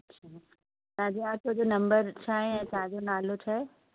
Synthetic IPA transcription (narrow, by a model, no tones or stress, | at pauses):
ɐtːɕʰaː | t̪ãːd͡ʑeaːɾt̪oɦd͡ʑonɐ̃mbəɾt͡ɕʰaːɦejãt̪ãd͡ʑonaːlot͡ɕʰaːɦe